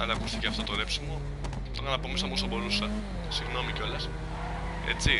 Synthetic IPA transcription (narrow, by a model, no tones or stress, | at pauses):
ɐðeɐkust̪iceɐft̪ot̪ole̞psimo | t̪oɾɐnɐpo̞misɐmosɐbo̞ɾusɐ | siɣno̞miceo̞lɐs | ḛt͡si